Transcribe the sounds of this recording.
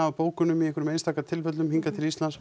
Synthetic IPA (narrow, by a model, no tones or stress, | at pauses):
aapoːwkʏnʏmiɛhkʏɾmejnst̪aːkat̪ʰɪlfœt̪̬lʏmhiŋkat̪ʰɪlist̪lans